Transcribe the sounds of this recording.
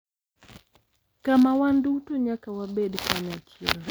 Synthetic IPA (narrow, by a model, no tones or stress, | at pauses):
kamawandutuɲakawaɓɛdkanat͡ʃɛɾ